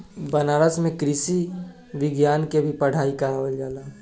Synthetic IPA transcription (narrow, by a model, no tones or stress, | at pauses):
bənaːɾəsmẽkɾɪsi | ʋɪɡjaːnkebʱipɐɽ̤aːikəɾaːʋəld͡ʒaːlaː